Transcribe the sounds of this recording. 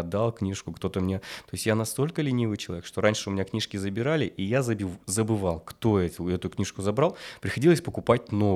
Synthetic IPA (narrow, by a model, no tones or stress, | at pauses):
d̪alˠknʲiʂkʊkt̪o̞t̪əmnʲet̪o̞jɪsʲtʲjanɐst̪o̞lʲkəlʲɪnʲivɨjt͡ɕɪlˠɐvʲekʂt̪oɾanʲʂɨʊmʲɪnʲaknʲiʂkʲɪzəbʲɪɾalʲɪʔijazəbʲɪzəbɨvalˠkt̪oɛt̪ʊɛt̪ʊknʲiʂkʊzɐbɾalˠpɾʲɪxɐdʲilˠəsʲpəkʊpat̚ʲno